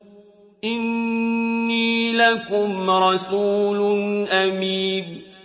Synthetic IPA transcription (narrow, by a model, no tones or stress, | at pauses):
ʔɪnː | iːlakʊmɾˤɑsuːlnʔamiːn